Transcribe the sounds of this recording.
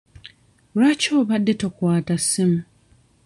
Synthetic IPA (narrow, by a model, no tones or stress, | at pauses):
ɾacoːβadːetokwaːtasɪm̩